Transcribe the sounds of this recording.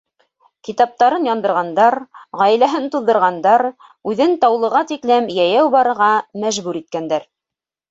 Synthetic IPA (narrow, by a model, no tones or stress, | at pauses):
kit̪ɑp̚t̪ɑɾɤnjɑnd̪ɤ̆ɾʁɑnd̪ɑɾʁɑj̆læɦɘnt̪uðːɤ̆ɾʁɑnd̪ɑɾ | ʉðɘnt̪ɑwlˠɤ̆ʁɑt̪iklɘmjæjæwbɑɾɤ̆ɾʁɑmæʒβʉɾit̪̚kænd̪æɾ